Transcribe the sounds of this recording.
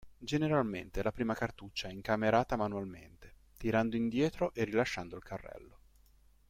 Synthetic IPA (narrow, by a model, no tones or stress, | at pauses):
d͡ʒeneɾalmḛnt̪elapɾiːmakart̪ut͡ʃːaɛiŋkameɾaːt̪amanualmḛnt̪e̥ | t̪iɾand̪oind̪jɛːt̪ɾoʔerilaʃːand̪oilkʰarːɛ̰lːo